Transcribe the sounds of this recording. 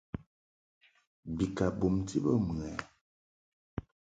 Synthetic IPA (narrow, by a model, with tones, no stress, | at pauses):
bi˨ka˨bo˨mti˦bə˦m˨ɛ˨